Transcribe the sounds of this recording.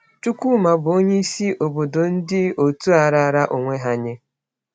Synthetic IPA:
t͡ʃu˦kʷu˦ma˨bʊ˨o˦ɲe˦i˦si˦ʔo˨bo˨do˨n̩˦dɪ˦o˨tu˦a˨ɾa˦˨˦ɾa˦ʔo˨ŋʷe˦ɦa˦ɲe˦

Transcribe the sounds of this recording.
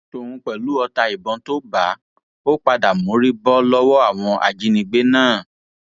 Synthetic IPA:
to˨hũ˧k͡pɛ˨lu˨˦ɔ˧ta˧i˨bɔ̃˧to˦ba˨˦ | o˦k͡pa˧da˨mõ˨˦ɾi˦bɔ˦lɔ˦wɔ˦a˦˨w̃ɔ̃˧ʔa̰˨d͡ʒi˨˦nĩ˧ɡ͡be˦nãː˦˨

